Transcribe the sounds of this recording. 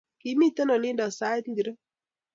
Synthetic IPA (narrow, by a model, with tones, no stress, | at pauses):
ki˨˦mi˦t̪ə˦nɔ˨lɪ˦ndɔ˨sa˦t̪di˨ɾ